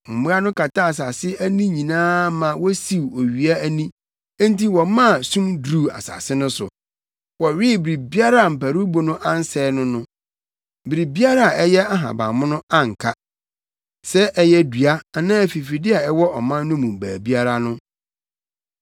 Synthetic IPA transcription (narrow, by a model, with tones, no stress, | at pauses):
m̩˨mũ˦a˦nʊ̃˦kʰa˨tʰa˦a˨s̬a˨sɪ˦æ˦nĩ˦ɲĩ˨nãː˦mã˨wɔ˦si˨wo˨ɥi˨a˦æ˦nĩ˦ | ã˦n˦ti˦wɔ˨mã˦˨sũ˦mdɾu˦˨a̰˨sa̰˨sɪ˦nʊ̃˦sʊ̰˨ | wɔ˨ɥɪ˦bɪ˨ɾi˨bi˦a˦ɾa˦˨m̩˨pæ˨ɾu˦bo˨nʊ̃˦ʔã˦n˦sɛː˦nʊ̃˦nʊ̃˦˨ | bɪ˨ɾi˨bi˦a˦ɾa˦a˨ʔɛ˦jɛ˦a˦ɦã̰˨bã̰˨mʊ̃˦nʊ̃˦a˦ŋ̩˨kʰa˦ | sɛ˦ʔɛ˦jɛ˦dɥa˦a˨nãː˦æ˨fi˨fi˨dɪ˦a˨ɛ˦wɔ˦ʔɔ˨mã˦nː˦ʊ̃˦mũ˨m̩˨bæː˨bi˦a˦ɾa˦nʊ̃˦